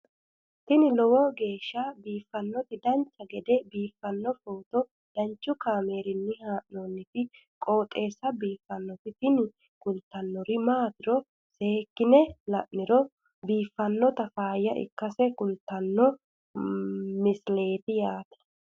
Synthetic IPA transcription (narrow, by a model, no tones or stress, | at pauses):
t̪ɪnɪlɔwɔɡe̞ːʃːɐbiːfːɐnːɔt̪ɪd̪ɐnt͡ʃːɐɡɛd̪ɛbiːfːɐnːɔfoːt̪ɔ | d̪̥ɐnt͡ʃːʊkaːme̞ːɾɪnːɪhaːʔnoːnːɪfɪ | kʼo̞ːt̪ʼe̞ːsɐbiːfːɐnːɔt̪ɪt̪ɪnɪ | kʊlt̪ːɐnːɔɾɪmaːt̪ɪɾɔ | seːkːɪnɛlɐʔnɪɾɔ | biːfːɐnːɔt̪ɐfaːjːɐʔɪ̰kːɐsɛkʊlt̪ːɐnːɔ | mɪsle̞ːt̪ɪjaːt̪ɐ̥